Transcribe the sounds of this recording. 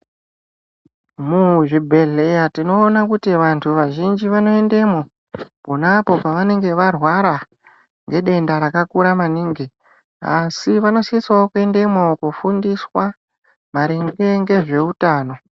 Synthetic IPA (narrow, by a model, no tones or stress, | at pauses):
muʐibʱe̞ɮe̞jatino̞ːnakutiʋantʰuʋaʒind͡ʒiʋano̞e̞nde̞mo̞ | ponapo̞paʋane̞ŋɡe̞ʋarwaɾa | ŋɡe̞ɗe̞ndaɾakakuɾamaniːŋɡi | asiʋano̞siswaokue̞nde̞mwokufundiswa | maɾiŋɡe̞ŋɡe̞ʐe̞utaːno̞